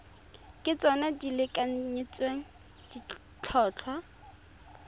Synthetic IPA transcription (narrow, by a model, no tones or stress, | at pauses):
kʼɪt͡sʼɔnadilɪkʼaɲit͡sʼweŋ̩ | di | t͡ɬʰɔːt͡ɬʰwa